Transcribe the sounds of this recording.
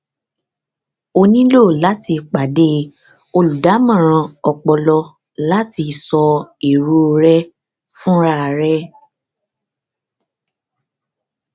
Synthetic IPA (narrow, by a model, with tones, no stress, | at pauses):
o˧nĩ˦lo˦˨la˨˦ti˧k͡pa˨de˦ | o˧lu˨da˨˦mã˦˨ɾ̃ã˧ɔ˧k͡pɔ˧lɔ˧ | la˦ti˧˨sɔ˧i˨ɾu˦o˧ɾɛ˦ | fũ˦ɾa˦˨ɾɛ˦